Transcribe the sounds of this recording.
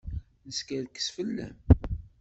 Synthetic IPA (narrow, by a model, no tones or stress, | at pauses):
nəskælkːə̥sfəlːæ̰m